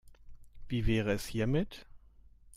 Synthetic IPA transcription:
v̥iːvɛːʁəɛshiːɐmɪt

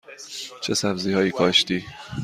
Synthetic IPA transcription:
t͡ʃʰe̞sæbziːhɒːjiːkʰɒːʃt̪iː

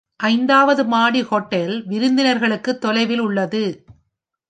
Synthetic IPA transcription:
ʔɐɪnd̪aːʋɐðɯmaːɽihɔʈːɛlʋɪɾɯnd̪ɪnɐɾɣɐɭɯkːɯt̪ːɔlɐɪʋɪlʊɭːɐðɯ

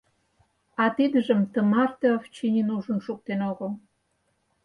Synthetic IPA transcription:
ɑt̪id̪əʒə̆mt̪əmɑrt̪eoft͡ɕinʲinuʒə̆nʃuk̚t̪enoɣəl

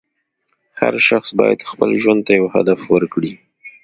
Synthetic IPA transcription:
ha̰ɾʃaxsbɑja̰d̪xpəlʒwand̪̚t̪ajawha̰d̪afwəɾkɽi

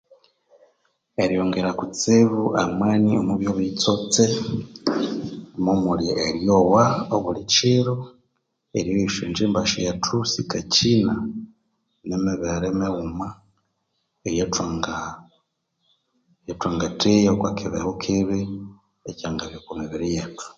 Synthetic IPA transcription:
eɾijoːŋɡeɾakut͡siβuʔamweːniomuβjoβit͡sot͡se | momuljiʔeɾjowaoβuliciɾo | eɾjojiʃent͡ʃiːmbaʃojatʰusikacina | nemiβeɾemeɣuma | ejetaŋɡa | jetwaːŋɡatijeokwakiβḛhokʰiβi | ecaːŋɡaβjokumiβiɾijetu̥

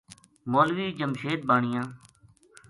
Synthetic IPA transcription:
moːlʋiːd͡ʒəmʃeːt̪̚baːɳɪjãː

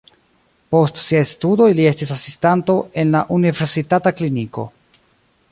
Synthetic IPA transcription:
po̞stsiajstudo̞jlie̞stisasistanto̞e̞nlaʔunive̞ɾsitatakliniko̞̰

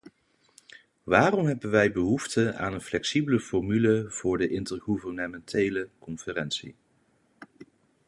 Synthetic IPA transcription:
ʋaːrɔmɦɛbənʋɛjbəɦuftəa̰ːnənflɛksibələfɔɹmyləv̥ʊːɹdəʔɪntəɹɣuvəɹnəmɛntʰejləkɔnfərɛnsḭ

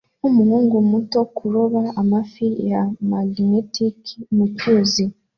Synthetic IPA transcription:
umuhuːŋɡumutokuɾoβaamafijamalinetikmucuzi

